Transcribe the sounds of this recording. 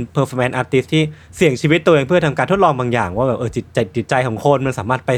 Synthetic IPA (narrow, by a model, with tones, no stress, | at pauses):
pʰɤː˧fɔ˧mʔɛː˧nʔaː˧t̪i˧˦˥st̪ʰiː˥˩ | si˨˩˦əŋt͡ɕʰiː˧wi˦˥t̪ːu˧ʔe˧ŋpʰɯ˥˩ɐt̪ʰa˧mkaː˧nt̪ʰt̪lɔː˧ŋbaː˧ŋja̰ː˨˩ŋwaː˥˩bɛː˨˩p̚ʔɤː˧˩t͡ɕi˨˩t̪̚t͡ɕa˧˩t̪̚t͡ɕi˨˩t̪̚t͡ɕa˧jkʰɔː˩˦ŋkʰo˧nma˧nsaː˩˦maː˥˩t̪̚pa˧j